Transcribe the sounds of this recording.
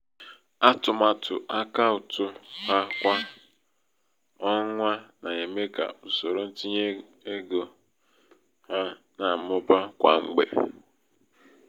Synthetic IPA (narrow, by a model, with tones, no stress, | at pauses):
a˦tʊ˨ma˨tʊ˨ʔa˦ka˦ʊ˨tʊ˦ha˦kʷa˦ | ɔ˦ŋʷa˦na˨e˨me˦ka̰˨ʊ˨so˨ɾo˨n̩˦ti˦ɲe˦ | e˦ɡo˨ | ha˦ | na˨mʊ˦ba˦kʷa̰˨ŋ͡m̩˦˨ɡ͡bḛ˨